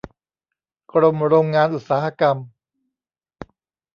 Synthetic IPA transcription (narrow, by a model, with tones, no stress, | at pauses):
kʰɾo˧mɾoː˧ŋːaː˧nʔu˨˩t̪̚saː˩˦ha˧ka˧m